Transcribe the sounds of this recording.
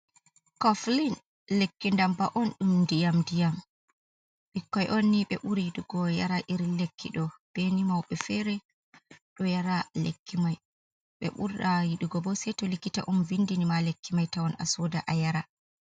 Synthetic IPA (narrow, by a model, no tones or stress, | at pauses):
kɔflin | lekːindambaʔɔnɗumdijamdijam | ɓikːɔjʔonːiɓɛ̰ʔuɾijiɗuɡɔjaɾaʔiɾilekʰːḭɗɔb̥enimawɓɛfɛɾɛ | ɗɔjaɾalḛkʰːimaj | ɓɛ̰ɓṵɾajiɗuɡɔbɔsɛtɔlikita̰ʔumvindinimalekːimajtawɔnʔa̰sɔdaʔajaɾa